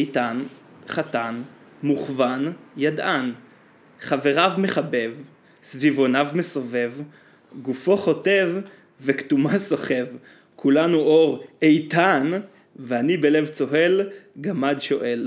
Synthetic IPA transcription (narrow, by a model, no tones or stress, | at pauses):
jtan | χatan | muχvanjadʔan | χave̞ʁavmeχabe̞v | svivo̞navme̞so̞ve̞v | ɡufo̞χo̞te̞vː | ektumaso̞χe̞v | kʰulanuo̞ʁejtan | veanibele̞vt͡so̞ɦe̞lɡamadʃo̞ʔe̞l